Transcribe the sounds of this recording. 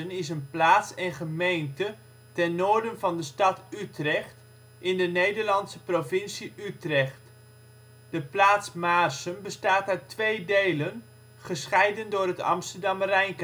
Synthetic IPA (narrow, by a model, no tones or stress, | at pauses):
ənɪsənplaːtsɛnχəmejntə | tɛnːoːɹdənvɑndəstɑtytrɛχt | ɪndənejdəɹlɑntsəprovɪnsiytrɛχt | d̥əplaːtsmaːrsənbəstaːtaɥtʋejdejlən | χəsχɛjdəndʊːrətɑ̰mstərdɑmrɛjnk